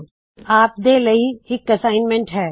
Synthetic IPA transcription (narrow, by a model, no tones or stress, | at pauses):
aːp̚d̪eːlɐɦiɦɪkɐsaːɪnmẽɳʈɦɛː